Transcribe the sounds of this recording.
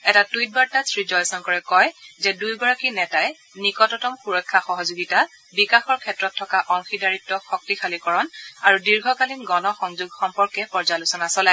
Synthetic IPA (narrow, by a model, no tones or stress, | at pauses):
ɛtatujt̚baɹtasɹid͡ʒɔjsɔŋkɔɹɛkɔjzɛdujbɔɹakinɛtajɛ | nikɔtɔtɔmxuɹɔkʰːaxɔɦɔzuɡita | bikaxɔɹkʰɛtɹɔtʰːɔkaʔɔŋxidaɹitːɔxɔk̚tixʰalikɔɹɔnaɹudiɹɡʱɔkalinɡɔnɔxɔŋzuɡxɔmpɔɹkɛpɔɹzalusɔnasɔlaj